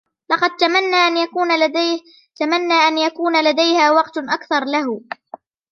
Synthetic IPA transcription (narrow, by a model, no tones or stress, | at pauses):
lɑqɑd̪̚t̪amanːaːʔanjauː | t̪amanːaːʔanjakuːnalad̪ajhaːwɑqt̪ʔakθɑɾˤlaɦ